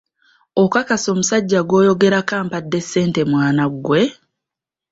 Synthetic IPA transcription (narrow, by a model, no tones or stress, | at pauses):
okakaso̞musaɟːaɡwo̞ːjo̞ɡe̞ɾakaːmpadːe̞sːe̞ːnte̞mwaːnaɡwe̞